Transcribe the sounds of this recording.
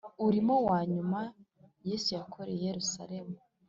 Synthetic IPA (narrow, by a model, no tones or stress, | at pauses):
uɾimo̞waːɲuma | je̞sujakʰo̞ɾeje̞ɾusa̰ɾe̞mu